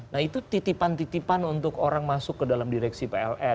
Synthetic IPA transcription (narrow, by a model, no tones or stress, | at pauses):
nahit̪ut̪it̪ipant̪it̪ipanunt̪ʊkoɾaŋmasʊkːədalamdiɾɛksipeɛlɛ